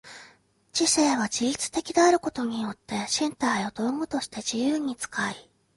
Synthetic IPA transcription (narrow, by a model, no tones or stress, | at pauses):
t͡ɕise̞ːβad͡ʑiɾʲit͡sɨ̥t̪e̞kʲid̪eaɾɯ̟ko̞t̪o̞ɲ̟ijo̞t̪ːe̞ɕĩnt̪aio̞d̪o̞ːŋɡɯ̟t̪o̞ɕi̥t̪e̞d͡ʑijɯːɲ̟it͡sɨ̥kai